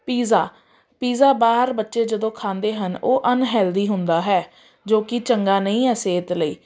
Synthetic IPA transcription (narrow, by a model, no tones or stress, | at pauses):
piːzaː | piːzaːbaːəɾbətːʃeːd͡ʒəd̪õːkʰãːnd̪eːɦənoːʔənɦɛːld̪iːɦʊnd̪aːɦɛː | d͡ʒoːkɪt͡ʃəŋɡaːnəĩːɛːseːt̪ləiː